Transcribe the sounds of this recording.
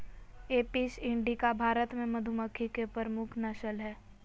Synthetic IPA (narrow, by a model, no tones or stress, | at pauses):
eːpisɪ̃ɳɖikabʱaːɾət̪mẽmɐd̪ʱʊməkʰːikepəɾəmʊkʰnɐʃəlɦɛː